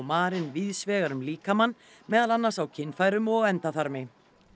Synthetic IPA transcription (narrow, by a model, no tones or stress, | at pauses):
wmaːɾɪnvɪðsvɛːɣaɾʏmliːkamanː | mɛːðalanːasawcʰɪnːfajɾʏmɔɣɛnt̪aθaɾmɪ